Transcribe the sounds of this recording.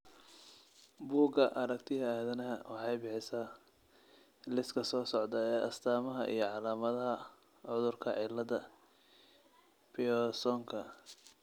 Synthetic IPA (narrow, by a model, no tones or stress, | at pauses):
buːɡɐʔɐɾɐk̚t̪ʰɪɦɐaːðɐnɐɦɐwɑħɑjbɪħɪsaː | lɪskʰɐsɔːsɔʕd̪ɐɛːʔɐst̪ʰaːmɐɦɐʔḭjɞʕɑlaːmɐðɐɦɐ | ʕʊðʊrkʰɐʕɪlɐðɐ | pʰɪɔsɔŋkʰɐ